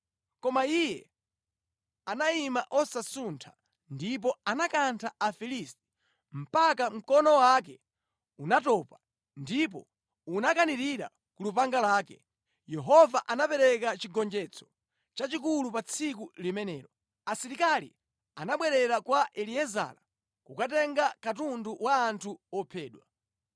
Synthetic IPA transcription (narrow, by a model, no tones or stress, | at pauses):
kɔmaijɛ | anaimaʔɔsasuntʰḁ | ndip̬ɔanakantʰaafilisti̥ | m̩pakam̩kɔnɔwak̬ɛ | unatɔːpa | ndip̬ɔ | unakaniɾiɾa̰ | kulupaŋɡalaːkɛ | jɛɦɔvaʔanapɛɾɛkat͡ʃiɡɔnd͡ʒɛt͡sʰɔ̥ | t͡ʃat͡ʃik̬ulupat͡sʰikulimɛnɛːɾɔ | asiɾikalḭ | anaɓwɛɾɛɾakwaʔɛliɛza̰la | kukat̬ɛŋɡakatunduwaːntʰuɔpʰɛːɗwa